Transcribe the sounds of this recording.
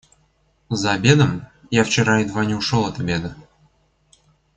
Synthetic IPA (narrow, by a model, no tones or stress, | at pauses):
zɑbʲed̪ə̆m | jɑft͡ɕeɾɑid̪vɑnʲuʂŏlˠɤt̪əbʲed̪ə̆